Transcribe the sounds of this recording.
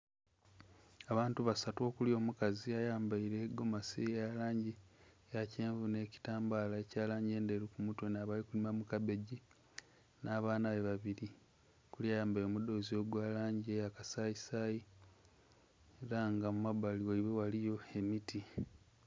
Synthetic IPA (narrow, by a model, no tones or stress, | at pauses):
aβaːntuβasato̞ːkulio̞ːmukaziajaːmbaiɾeːɡo̞masijalaːɲɟi | jaceːɱvune̞ci̥taːmbaːlaecaːlaːɲɟe̞ːnde̞ɾukumutwe̞naːβalikulimamukabe̞ɟi | nʔaːβaːnaβe̞βaβiɾi | kuliajaːmbajiɾomudo̞ːzio̞ɡwaːlaːɲɟiejakasaisaji | eɾaŋɡamumaβaliwoiβewalijo̞e̞miti